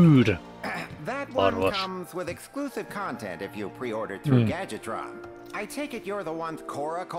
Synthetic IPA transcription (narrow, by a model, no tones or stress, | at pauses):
ʉd | ðɨt̚wʌnwʌkʌ̃mzwɪðɨksklusɨv̥kʰɑ̃ntʰɛ̰̃ntɨfjɨpʰɹ̥iɔɹɾə˞d̚θɹʉɡæd͡ʒɨdʰɹɑ̰̃m | ʔaɪtʰeɪkɨt͡ʃə˞ðəwʌ̃nz̥kʰɔɹəkʰ